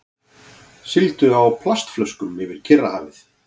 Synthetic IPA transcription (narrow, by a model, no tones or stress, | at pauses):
sɪlt̪ʏawpʰlast̪flœskʏmɪvɪɾ̥cʰɪrːahaːvɪθ